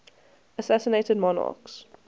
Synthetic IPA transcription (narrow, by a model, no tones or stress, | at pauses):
əsæsəneɪtəd̚mɔnɑ̰ːks